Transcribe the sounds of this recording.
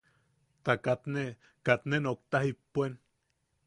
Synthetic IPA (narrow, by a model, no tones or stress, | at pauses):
t̪akat̪ne | kat̪nenok̚t̪ahipːuen